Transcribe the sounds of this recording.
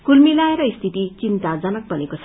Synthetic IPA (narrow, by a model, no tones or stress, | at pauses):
kulmilaeɾʌist̪ʰit̪it͡sint̪ad͡zʌnʌk̚bʱʌnekot͡sʰʌ